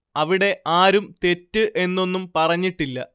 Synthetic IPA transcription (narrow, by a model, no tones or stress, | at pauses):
ɐʋiɽe̞ʔaːɾumt̪e̞tːɨʔe̞nːo̞nːumpɐrɐɲːiʈːilːɐ